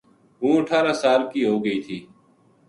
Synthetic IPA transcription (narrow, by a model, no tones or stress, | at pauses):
ɦũːəʈʰaːɾaːsaːlkiːɦoːɡəiːt̪ʰiː